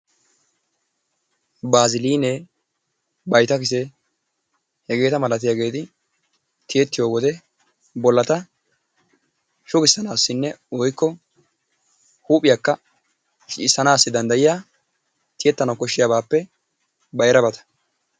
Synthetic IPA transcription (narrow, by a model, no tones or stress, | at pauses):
baːzɪliːne | bɐjt̪ɐkɪsɛ | hɛɡe̞ːt̪ɐmɐlɐt̪ɪjaːɡe̞ːt̪ɪ | t̪ɪjɛt̪ːɪjo̞ːwɔd̪ɛ | bɔlːɐt̪ɐ | ʃʊɡɪsːɐnaːsːɪnːɛɔjkːɔ | huːpʼɪjakːɐ | ʃɪsːɐnaːsːɪd̪ɐnd̪ɐjɪjaː | t̪ɪjɛt̪ːɐnɐwkɔʃːɪjabaːpːɛ | bɐjɾɐbɐt̪ɐ̥